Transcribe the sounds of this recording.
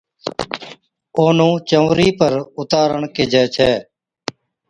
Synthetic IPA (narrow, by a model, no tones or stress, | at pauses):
oːnũːt͡ʃəʋɾiːpəɾʊt̪aːɾəɳkeːd͡ʒɛːt͡ʃʰɛː